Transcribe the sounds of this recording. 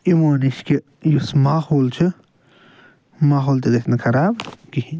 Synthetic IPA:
imoːniʃki | jusmaːhoːlt͡ʃʰi | maːɦoːlt̪iɡɐt̪ʲʰnkʰɐɾaːbkihi

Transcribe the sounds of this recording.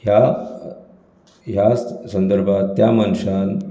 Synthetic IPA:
ɦja | ɦjasənd̪əɾbʱat̪ːjamənɕan

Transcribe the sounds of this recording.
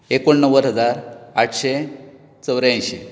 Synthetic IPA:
ekoɳːəʋəɾɦəd͡zaɾaʈʰɕe | t͡səwɾãjɕe

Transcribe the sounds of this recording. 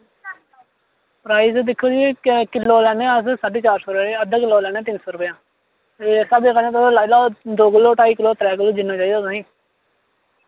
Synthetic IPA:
pɾaːized̪ɪkʰːoːd͡ʒikɪlːoːlɛːnẽːəssaɖeːt͡ʃaːɾsoːɾʊpeəd̪ãːkɪlːoːlɛːnẽːt̪ɪnsoːɾʊpjãː | sabeːkanẽːt̪ːslalaːd̪oːkɪlːoːʈaːiːkɪloːt̪ɾɛːk̬ɪlːoːd͡ʒɪnːãːt͡ʃaːiːd̪aːsãːĩː

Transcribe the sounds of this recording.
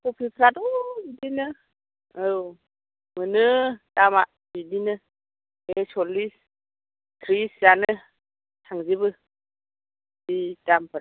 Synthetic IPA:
kupʰipʰɾadɔidinɯ | ɯw | mɯnɯtama | bidinɯ | esɔlis | kʰɾiszanɯɯ | tʰaŋzibɯ | ditampʰɯɾa

